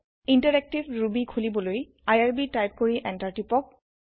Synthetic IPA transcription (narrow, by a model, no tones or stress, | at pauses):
intaɹɛk̚tibɹubikʰulibɔloj | ajaɹbitajp̚koɹiʔɛntaɹtipɔk̚